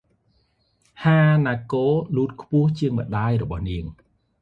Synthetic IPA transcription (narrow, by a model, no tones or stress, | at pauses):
haːnaːkoːluːt̪̚kʰpʊ̆əht͡ɕiəŋmə̆ɗaːjrɔɓɑhniəŋ